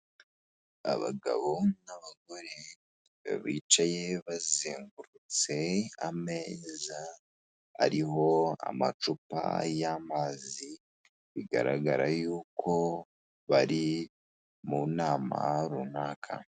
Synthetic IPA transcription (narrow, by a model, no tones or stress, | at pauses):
a̰βaɡaβo̞naβaɡo̞ɾe | βiːt͡ʃajeβaziːŋɡuɾut͡se̞ame̞ːza | a̰ɾiɦo̞a̰mat͡ʃupa̰jamaːzi | βiɡa̰ɾaɡaɾajuːkʰo̞ | βaɾi | munaːma̰ɾunaːkʰa̰